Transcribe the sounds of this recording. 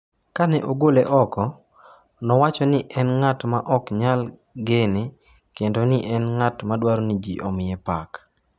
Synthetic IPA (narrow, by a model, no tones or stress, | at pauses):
kanɛʔoɡoleʔɔkɔ | nɔwat͡ʃɔnɪʔɛnŋatmaʔɔkɲalɡene | kendonɪʔɛnŋatmadwaɾonid͡ʒḭʔomɪɛpak